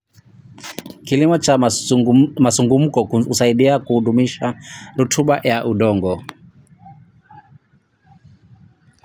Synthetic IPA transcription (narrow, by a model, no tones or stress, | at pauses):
kilimɔt͡ʃa | masuŋɡum̩kɔusaiɗiakuhuɗumiʃaɾutʰuɓajaʔuɗɔŋɡɔ